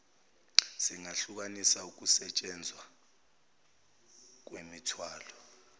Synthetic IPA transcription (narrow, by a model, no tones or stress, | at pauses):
siŋaɬuk̬anisauk̬usɛt͡ʃʼɛnd͡zʱwa | k̬wemitʰwaːlɔ